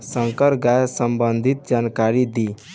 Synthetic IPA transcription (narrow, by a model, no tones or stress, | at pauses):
sə̃ŋkəɾɡajsəmbənd̪ʱit̪̚d͡ʒankaɾid̪i